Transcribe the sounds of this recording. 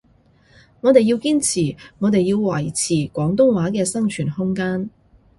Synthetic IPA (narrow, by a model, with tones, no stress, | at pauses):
ŋɔː˨˧t̪e˨ji˧wkiː˥nt͡sʰiː˨˩ŋɔː˨˧t̪e˨jːiː˧wwɐ˨˩jt͡sʰiː˨˩kʷɔː˨˥ŋt̪̬ʊ˥ŋwaː˨˥kɛː˧sɐ˥ŋt͡ʃʰyː˨˩nhʊ˥ŋkaː˥n